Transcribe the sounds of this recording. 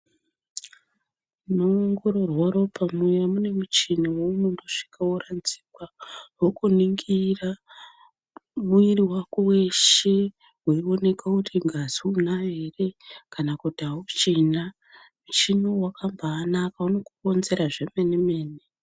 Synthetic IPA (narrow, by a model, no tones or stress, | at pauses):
noŋɡo̞ɾo̞rwaɾo̞pʰamujamune̞mut͡ʃinowomumdoʂi̥kʰaworanzi̥kwawokuniŋɡira | muiriwakuwe̞ʃe | wuio̞ne̞kakutʰiŋɡaziunaɦe̞re̞kanakutiaut͡ʃina | mut͡ʃinowakambaːnakauno̞kuko̞nze̞ɾaʐe̞me̞neme̞ːne